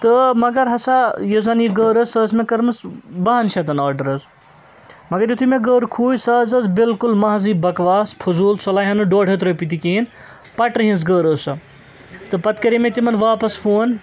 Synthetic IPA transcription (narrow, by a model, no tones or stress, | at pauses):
t̪ɨmɐɡɐɾɦɐsajizɐnjiɡəːɾəsəːsmẽkɐɾmɨsbɐɦɐnt͡ʃʰɐt̪ɐnaːɾɖɐɾɐz | mɐɡɐɾjut̪ʰumeɡəːɾkʰuːjsaːzɐzbilkulmɐɦziːbɐkʋaːspʰuzuːlsolaːjɦɐnɨɖoːɽ̤ʱɦet̪̬ɾopit̪̬ikiin | pɐʈɨɦĩs̬ɡəːɾəːsɐ | t̪ɨpɐt̪kɐɾimet̪imɐnʋaːpɐsfʰoːn